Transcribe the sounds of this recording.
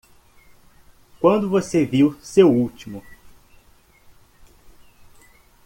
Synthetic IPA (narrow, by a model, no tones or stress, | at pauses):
kwɐ̃nd̪ʊvoseviwsewuwt͡ʃimʊ